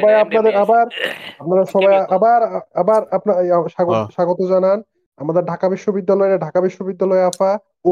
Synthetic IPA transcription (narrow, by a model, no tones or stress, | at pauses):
ɔbajapnad̪eɾabaɾapnaɾaʃɔbajaabaɾabaɾapnaʃaɡoʃaɡot̪od͡ʑanan | amad̪eɾɖʱakabiʃːobid̪ːalɔeɾaɖʱakabiʃːobid̪ːalɔeafa | o